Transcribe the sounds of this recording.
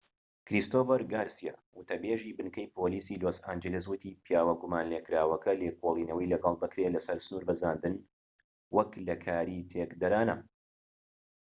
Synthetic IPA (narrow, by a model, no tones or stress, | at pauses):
kɾist̪oːfɐɾɡaːɾsija̰wʊt̪ɐbeːʒiːbɨnkɐjpʰoːliːsiːloːsaːnd͡ʒeles̬wʊt̪ʰiːpʰjaːwɐɡumaːnleːkɾaːwɐkʰɐleːkʰolˠiːnɐwɐjlɐɡɑlˠd̪ɐkɾeːlɐsɐɾsɨnuːɾbɐzaːnd̪ɨn | wɐklɐkʰaːɾit̪ʰekd̪ɐɾaːnɐ